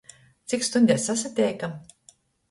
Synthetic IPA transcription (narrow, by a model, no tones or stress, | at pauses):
t̪sikst̪unʲd̪ʲɛsas̬at̪ʲɛːjkam